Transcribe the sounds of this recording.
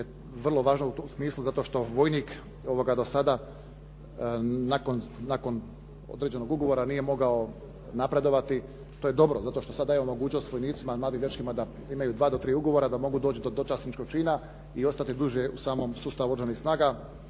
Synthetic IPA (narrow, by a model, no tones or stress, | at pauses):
je | ʋr̩lˠo̞ʋaːʒnout̪osmiːslˠuzat̪o̞ʃt̪o̞ʋo̞jniːk | o̞ʋo̞ɡad̪o̞sad̪a | nako̞nːako̞n | o̰d̪ɾed͡ʑe̞no̞ɡuɡo̞ʋo̞ɾanije̞mo̞ɡao | napɾe̞d̪o̞ʋat̪i | t̪oje̞d̪o̞bɾozat̪o̞ʃt̪o̞sad̪ajeomo̞ɡuːt͡ʃnost̪ʋo̞jniːt̪simamlaːd̪iːmjʲet͡ʃkimad̪a | imajuːd̪ʋaːd̪o̞t̪ɾiːuɡo̞ʋo̞ɾad̪amo̞ɡud̪oːt͡ɕid̪od̪ot͡ʃasnit͡ʃkok̚t͡ʃiːna | io̞st̪at̪id̪uʒjeusaːmomsuːst̪aʋuoɾʒanisnaːɡa